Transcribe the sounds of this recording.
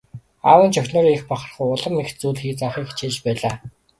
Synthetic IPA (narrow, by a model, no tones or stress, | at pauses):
a̰wə̆nt͡ɕʰœxʲnoːrexpɔχə̆r̆χŭjʊɮə̆mːext̪t͡suːɮxiːt͡saχiːxt͡ɕʰeːt͡ɕpæːɮaː